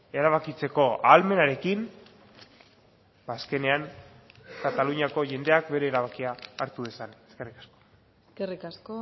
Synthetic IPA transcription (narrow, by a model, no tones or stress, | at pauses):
e̞ɾaβ̞akit͡se̞ko̞alme̞naɾe̞kin | baːske̞ne̞aŋ | kat̪aluɲako̞ʝe̞nd̪e̞akbe̞ɾe̞ːɾaβakiaːɾt̪uðesaneske̞rikḁsko̥ | skerikasko